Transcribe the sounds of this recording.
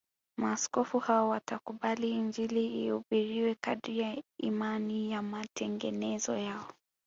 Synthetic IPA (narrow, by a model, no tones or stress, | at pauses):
maːskɔfuhawɔwatakuɓaliːɲd͡ʒiliiuɓiɾiwɛkaɗijaḭmanijamatɛŋɡɛnɛzɔjaɔ